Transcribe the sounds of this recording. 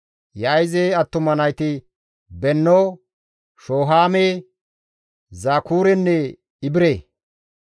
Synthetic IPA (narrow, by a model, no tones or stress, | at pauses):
jɐjzeɐt̪ːʊmɐnɐjt̪ɪ | bɛnːo | ʃoːɦaːmeː | zaːkuːɾɛnːɛ | ɪbɪɾeː